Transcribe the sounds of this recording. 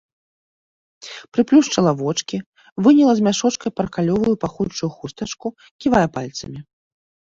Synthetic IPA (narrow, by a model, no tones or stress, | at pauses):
pɾɨplʲuʂt͡ʂɐlˠavɔt͡ʂkʲi | vɨnʲɛlˠɐzʲmʲaʂɔt͡ʂkɐjpɐɾɐkalʲɔvujupaxut͡ʂujuxust̪ɐt͡ʂku | kʲivajɐpalʲt̪sɐ̰mʲi